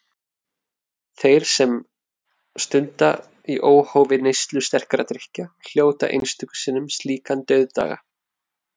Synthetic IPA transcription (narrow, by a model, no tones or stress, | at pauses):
θejɾ̥sɛm | st̪ʏnt̪a | iʔoːwhowvɪnejst̪lʏst̪ɛr̥kɾat̪ɾɪhcal̥joːwt̪a̰ʔḛjnst̪ʏksɪnːʏmst̪liːkant̪œɥðt̪a̰ːɣa̰